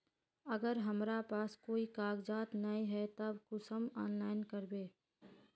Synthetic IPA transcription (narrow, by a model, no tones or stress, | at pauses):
əɡəɾɦəmɾapaːskoːikaːɡd͡ʒaːt̪naĩɦɛt̪əbkʊsəmɔːnlaːɪnkəɾbeː